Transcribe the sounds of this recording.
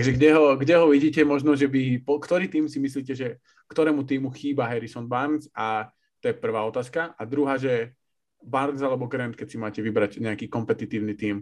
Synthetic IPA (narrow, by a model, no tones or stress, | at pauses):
t̪aɡʒɛɡɟɛɦɔɡɟɛɦɔʋiɟiːcɛmɔʒnɔʒɛbipɔkt̪ɔɾiːt̪iːmsimisliːcɛʒɛ | kt̪ɔɾɛːmut̪̬iːmuxiːbaɦɛɾisɔnbaɾza | t̪ɔjɛpr̩ʋaːɔt̪aːskaʔad̪ɾuɦaːʒɛ | baɾzalɛbɔɡɾɛnt̪̚kɛcsimaːcɛʋibɾacɲɛakiːkɔmpɛt̪it̪iːʊnit̪iːm